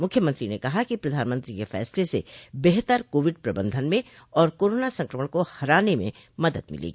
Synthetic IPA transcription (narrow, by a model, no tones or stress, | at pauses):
mʊkʰjəmə̃nt̪ɾinekɐɦakipɾɐd̪ʱaːnmə̃nt̪ɾikefɛ̰ːslesḛbeɦt̪əɾkoːʋɪɖpɾɐbə̃nd̪ʱənmẽ | ɔːɾkoːɾoːnasɐ̃ŋkɾəməɽ̃kohɐɾaːnemḛ̃ | mɐd̪əd̪mɪ̰lḛːɡi